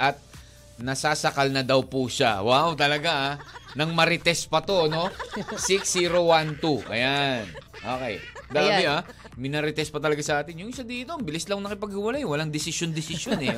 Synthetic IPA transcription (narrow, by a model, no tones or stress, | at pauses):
ʔɐt̪̚ | nɐsaːsɐkalnɐd̪ɐwpuʃa̰wawt̪ɐlɐɡaʔanɐŋmɐɾɪt̪ɛspɐt̪o̞no̞siksːiːɾo̞want̪uʔɐ̰janʔoːkḛjd̪ɐlɐbɪa | mɪnɐɾɪt̪ɛspɐt̪ɐlɐɡasɐʔaːt̪ɪnjʊŋʔɪsad̪iːt̪o̞bɪlɪslɐŋnɐkɪpɐɡ̚hʊwɐlajwɐlaŋd̪ɪsɪʃjond̪ɪsɪʃjonɛ